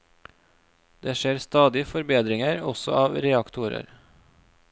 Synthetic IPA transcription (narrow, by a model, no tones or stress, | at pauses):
d̪eːʃeːɾst̪ɑːd̪ɪəfɔɾbeːd̪ɾɪŋəɾɔsɔ̰ʔɑːʋɾɛɑkt̪ʰʊɾə̰ɾ